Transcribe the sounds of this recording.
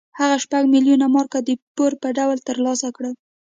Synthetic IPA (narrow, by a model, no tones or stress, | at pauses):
haɣaʃpaɡmiljunamɑɾkad̪əpoɾpəɖawlt̪əɾlɑsakɽə